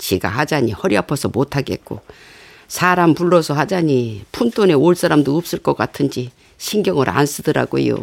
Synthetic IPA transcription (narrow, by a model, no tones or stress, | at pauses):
t͡ɕeɡa̰had͡ʑaɲihʌɾiapʰʌsʰʌmotʰaɡe̞̰t̚k͈o̰ | sʰaɾampuɭːʌsʰʌɦad͡ʑaɲipʰuntʰone̞oɭs͈aɾamdoɯp̚s͈ɯɭk͈ʌk͈atʰɯnd͡ʑi | ɕʰinɡjʌŋɯɾʔa̰ns͈ɯdɯɾa̰ɡo̰jo̰